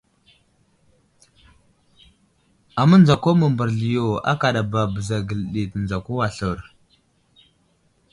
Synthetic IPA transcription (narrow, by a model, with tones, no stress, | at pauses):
a˨mə˦nd͡za˨ko˦mə˨mbə˨ɾɮi˨jo˨a̰˦ka˨ɗa˨ba˨bə˨za˨ɡə˨lɗi˨tə˨nd͡za˨ko˦wa˨ɬə˨ɾ